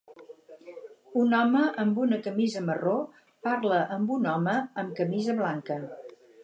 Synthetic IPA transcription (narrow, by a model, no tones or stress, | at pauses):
unɔməʔəmbunəkəmizəməro | paɾləʔəmbunɔməəmkəmizəβlaŋkə